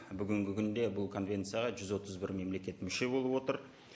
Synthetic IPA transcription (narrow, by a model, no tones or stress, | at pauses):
bʏɡʲɪŋɡʲɪkʲʰʏnd̪e̞bʊlˠkʰo̞nvʲe̞nt̪sɨjaʁɑʒʏzwo̞t̪əzbɪɾme̞mle̞kʲe̞t̪mʏʃe̞bo̞lˠəpwo̞t̪əɾ